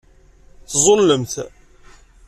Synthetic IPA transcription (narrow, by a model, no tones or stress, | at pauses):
θzˤolːəmθ